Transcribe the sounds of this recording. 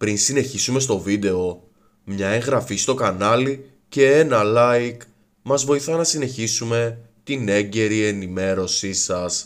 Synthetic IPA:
pɾinsine̞çisume̞s̬t̪o̞vid̪e̞o̞ | mɲɐe̞ŋɣɾɐfist̪o̞kɐnɐli | ce̞enɐlɐik | mɐzvo̞iθɐnɐsine̞çisume̞ | t̪ine̞ɟe̞ɾie̞nime̞ɾo̞sisɐs

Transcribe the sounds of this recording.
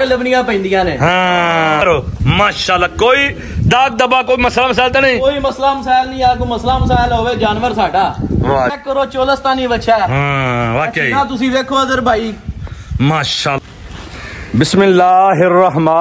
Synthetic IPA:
ələbnɪ̃ãːpə̃nd̪ɪjãːnẽːɦãːɾoːmaːʃaːlːaːkoːiː | d̪aːk̚d̪əbaːkoːiməslaːməs̬aːjlt̪aːnəĩːoːiːməslaːməsaːɪlnĩːaːkoːməslaːməs̬aːɪlɦoːʋeːd͡ʒaːnʋəɾsaːɖaː | kːəɾoːt͡ʃoːləst̪ãːnĩːbətːʃʰaːɦãːʋaːkeːãːt̪ʊsĩːʋeːkʰoːzəɾbʱaːiː | maːʃaː | bɪsmɪlːaːɦɪrːəɦmaː

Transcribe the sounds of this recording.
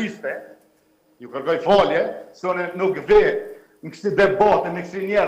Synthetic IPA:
ist̪ɛ | jukəɾkɔjfɔljɛsunɛnukvɛ | ŋkʃtid̪ɛbɔt̪ɛmɛksinjɛ

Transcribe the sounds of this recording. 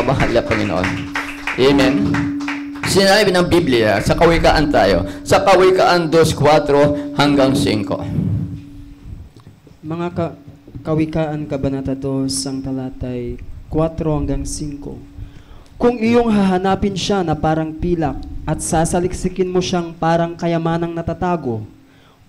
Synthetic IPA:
ɐmɐɦalːɐpɐŋɪnoʔo̰n | ʔɛmɛn | sɪnaːibnɐŋbiblɪja̰sɐkɐwɪka̰ːʔɐnt̪a̰ːjo̞̰sɐkɐwikaʔɐnd̪oskwat̪ɾo̞hɐŋɡaŋsḭŋko̞̰ | mɐŋakɐkɐwɪkaːʔɐnkɐbɐnat̪ɐd̪o̞shɐŋt̪ɐlaːt̪ɐjkwat̪ɾo̞hɐŋɡaŋsiŋko̞̰ | kʊŋɪjo̞ŋɦaɦɐnaːpɪnʃanɐpaːɾɐŋpiːlɐk̚ɐt̪̚saːsɐlɪksɪkɪnmoʃaŋpaːɾɐŋkɐjɐmaːnɐŋnɐt̪at̪aːɡo̞

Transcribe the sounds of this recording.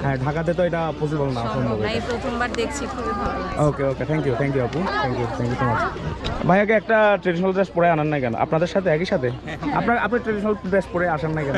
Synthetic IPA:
ɦɛ̃ɖʱakad̪et̪oeʈapos̬ibalnaoʃɔmbʱobepɾot̪ʰombaɾd̪ek̚ʰt͡ɕʰikʰubibʱaookeoket̪ʰɛŋkjut̪ʰɛŋkjuaput̪ʰɛŋkjut̪ʰɛŋkjuʃomat͡ɕʰbʱajakeɛk̚ʈaʈɾeɖiʃonalʈɾesʈ̚pɔɽeananːajkɛno̰ʔa̰pnad̪eɾʃat̪ʰeɛkiʃat̪ʰea̰pnaa̰pnaʈɾeɖiʃonalʈɾesʈ̚pɔɽeaʃanːajkɛno

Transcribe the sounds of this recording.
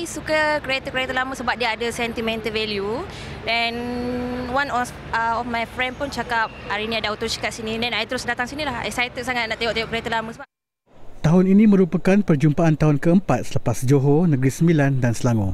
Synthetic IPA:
jsukəkɾiet̪əkɾat̪əlamə̃səbap̚diaːdəsɛnt̪imɛ̃nt̪əvɛlju | ɛn | wãnɔ | ɔfmajfɾɛ̃ndpunt͡ʃakap̚aɾinĩadaut̪osi̥kaʔsinĩdɛnajt̪əɾʊsdat̪aŋsinĩlaha̰jsajt̪əsaŋat̪̚naʔt̪eoʔ̪ejoʔkɾat̪əlamə̃səbap̚ | t̪aɦʊninĩmə̃ɾupakanpərd͡ʒumpaant̪aɦʊnkəəmpat̪̚sələpasd͡ʒoɦonə̃ɡɾisəmbilandansəlaŋɔ̃

